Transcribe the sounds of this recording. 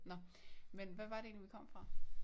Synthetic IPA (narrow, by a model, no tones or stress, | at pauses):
nɒ̽menʋæʋɑ̈ɾ̥e̝e̝ːnliʋikʰɒ̽m̰fʁɑ̈